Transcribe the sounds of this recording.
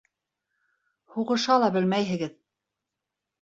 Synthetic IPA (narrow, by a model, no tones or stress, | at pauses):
huʁɤ̆ʃɑlˠɑbɘlmæjɦɘ̆ɡɘð